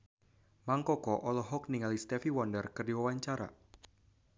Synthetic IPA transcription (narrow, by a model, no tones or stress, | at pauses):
maŋkɔkɔʔɔlɔɦɔk̚niŋalist̪ɛfiwɔndərkɨrdiwawaɲt͡ʃaɾa̰